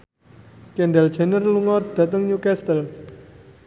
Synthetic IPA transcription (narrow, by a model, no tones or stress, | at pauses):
kɛɳɖɛld̥ʒ̥anərluŋɔd̪̥a̤t̪əŋɲukɛst̪əl